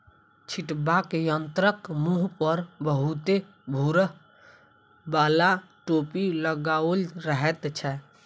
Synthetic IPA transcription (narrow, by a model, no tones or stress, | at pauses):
t͡ʃʰiʈbakejənt̪ɾəkmuɦpəɾbəɦut̪e | bʱuɾəɦ | balaʈopiləɡaolɾəɦɛt̪t͡ʃʰɛ